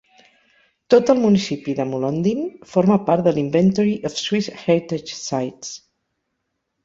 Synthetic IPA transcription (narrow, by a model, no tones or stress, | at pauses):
t̪ot̪əlˠmunisipiðəmulond̪infoɾməpaɾt̪̚d̪əlimbɛnt̪ɔɾiʔɔfswisxɛɾt̪et͡ʃsajts